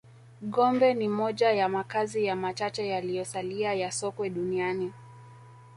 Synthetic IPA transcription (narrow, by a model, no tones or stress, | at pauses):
ɠɔmbɛnimɔʄajamakazijamat͡ʃat͡ʃɛjalijɔsaliajasɔkwɛɗuniani